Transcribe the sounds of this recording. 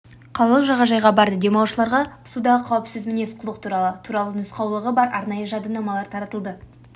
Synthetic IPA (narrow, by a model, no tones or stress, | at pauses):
qʰɑlˠɑlˠəqʒɑʁɑʒɑjʁɑbɑɾd̪əd̪e̞mɑwʃəlˠɑɾʁɑʊ̥sud̪ɑʁəqʰɑwəpsɪzmɪne̞sqʰʊlˠəq̚t̪ʰuɾɑlˠət̪ʰuɾɑlˠənʏsqɑwlˠəʁəbɑɾʔɑ̰ɾnɑjəʒɑd̪ənɑmɑlˠɑɾt̪ʰɑɾɑt̪əlˠd̪ə